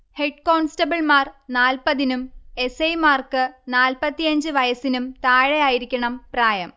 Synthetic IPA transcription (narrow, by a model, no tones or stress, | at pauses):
heɖko̞ːɳsʈɐbɐɭmaːrnaːlpɐðinume̞sɐjmaːrkɨnaːlpɐt̪ːijɐɲd͡ʑɨʋɐjɐsinumt̪aːɻejaːjiɾikʲːɐɳɐmpraːjɐm